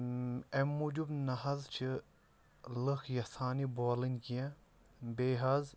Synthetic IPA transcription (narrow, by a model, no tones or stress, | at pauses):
emːud͡ʒubnɐɦɐzt͡ʃʰɨ | lɨxjɐsaːniboːlinkiã | beːɦɐz